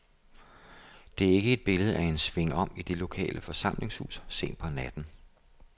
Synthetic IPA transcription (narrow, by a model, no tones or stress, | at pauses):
d̥e̝æɐe̝ɡ̥əe̝d̥̚b̥e̝ləð̞̩ˠʔæe̝nsʋe̝ŋɒ̽m̰id̥e̝lo̝kʰɛ̰ːlʔəfɒ̽sɑ̈m̰le̝ŋshṵːsse̝̰ːn̥pʰɒ̽næd̥n̩